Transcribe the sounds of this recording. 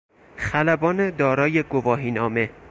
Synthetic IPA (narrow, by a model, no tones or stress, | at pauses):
xælæbɒːned̪ɒːɾɒːjeɡovɒːɦiːnɒːme